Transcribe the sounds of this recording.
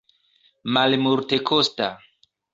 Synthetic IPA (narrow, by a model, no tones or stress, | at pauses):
malmuɾte̞kʰosta